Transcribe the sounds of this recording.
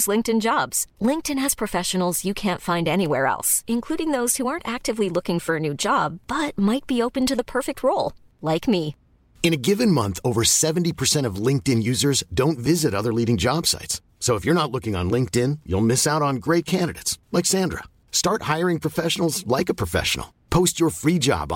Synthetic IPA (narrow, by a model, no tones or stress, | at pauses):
zlɪ̃ŋktɨ̃nd͡ʒɑbz̥lɪ̃ŋk̚tɨ̃nɨz̥pʰɹ̥ɨfɛʃɨn̩l̩ˠz̥jɨkʰæ̃ntfãɪ̃ndɛñiwɛɹɛ̰lˠsɨ̃nkʰl̥uɾɪ̃ŋðoʊz̥huɑɹntæk̚tɨvlilʊkɪ̃ŋfə˞ɨnʉd͡ʒɑb̥ːʌt̚maɪt̚b̥ioʊpɨ̃ntɨðəpʰɜ˞fɨk̚t̚ʰɹoʊlˠ | laɪkmi | ɨ̃ñɨɡɪvɨ̃nmʌ̰̃nθoʊvə˞sɛṽn̩tipʰə˞sɛ̃ɾ̃ʌvlɪ̃ŋk̚tɪ̃njʉzə˞zdõʊ̃ntvɪzɨɾʌðə˞liɾɪ̃ŋd͡ʒɑb̥sa̰ɪtsː | oʊəfjə˞nətˡlʊkɪ̃ŋə̰̃nlɪ̃ŋk̚tɪ̃njṵlˠmɪsaʊɾn̩ɡɹeɪt̚kʰæ̃ndɨɾḛɪtslaɪksæ̃ndɹə̰ | stɑɹt̚haɪə˞ɪ̃ŋpʰɹ̥ɨfɛʃn̩l̩ˠzlaɪkɨpʰɹ̥əfɛ̰ʃə̰n̩l̩ˠ | pʰoʊst͡ʃə˞fɹid͡ʒɑ̰b